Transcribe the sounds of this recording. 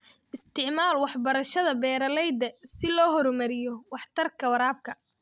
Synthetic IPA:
ʔɪst̪ʰɪʕmaːlwɑħbɐɾɐʃɐðɐbɛːɾɐlɛjd̪ɐsɪlɔːɦɔɾɔmɐɾɪjɔwɑħt̪ʰɐrkʰɐwɐɾaːb̚kʰɐ

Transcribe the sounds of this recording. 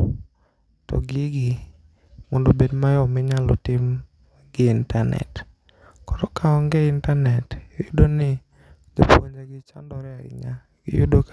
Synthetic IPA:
tɔ̰ɡɪɡɪ | mɔndobedmajɔmɪɲalɔtɪm | ɡɪːntanɛ̰t | kɔɾɔkaɔŋɡɛintanɛtjudonɪ | dopwo̰ɲd͡ʒeɡɪt͡ʃandɔɾɛaɾɪ̰ŋa | ɡɪ̰jṵdo

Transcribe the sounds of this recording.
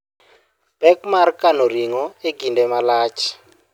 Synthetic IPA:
b̥ɛkmarkanoriŋɔeɡʱindʱɛmalaːt͡ʃʰi̥

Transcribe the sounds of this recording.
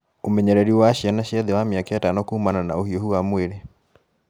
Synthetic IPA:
omɛɲɛɾɛɾiwaʃianaʃiɛðɛwamiakajatanɔkuhumanana̰ohiɔhuwamweɾe

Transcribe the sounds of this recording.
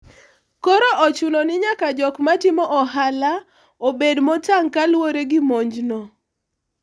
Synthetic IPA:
kɔɾoʔɔt͡ʃunonɪɲakad͡ʒɔkmatɪmɔʔɔɦala | obedmɔtaŋkalwoɾeɡɪmoɲd͡ʒnɔ

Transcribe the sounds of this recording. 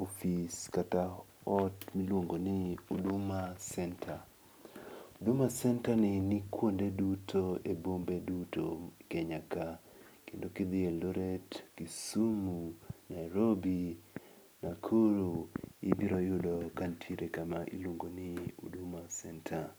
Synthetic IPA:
ofiskata | ɔtmilwoŋɡonɪudumasɛntʰa | udumasɛntanɪnikwondedutʰoebombedutokɛɲakakendokid̪ɪeloɾetkisumunajɾobi | nakʰuɾuɪ̰biɾɔjʊdɔkantʰiɾekamaʔḭlwoŋɡonɪṵdumasɛntʰa

